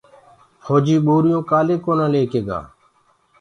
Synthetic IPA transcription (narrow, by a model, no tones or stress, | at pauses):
fʰoːd͡ʒiːɓoːɾɪjõːkaːleːkoːnãːleːkeːɡa̰ː